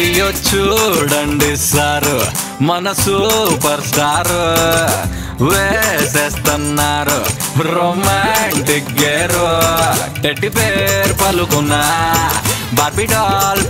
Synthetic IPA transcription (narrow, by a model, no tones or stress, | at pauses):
jot͡ʃːuɽɐɳɖisaːɾu | mɐnɐsupɐɾsʈaːɾu | ʋeseːst̪ɐnːaːɾu | ɾoːmaɳʈik̚ɡeɾoʈeʈːipeːɾpɐlukunːɐ | bʱɐɾbiɖɔːl